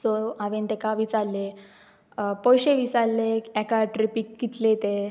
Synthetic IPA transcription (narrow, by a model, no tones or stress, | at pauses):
sɔaʋẽnt̪ɛkaʋit͡salːe | pɔjɕeʋisalːekɛkaʈɾipikːit̪let̪e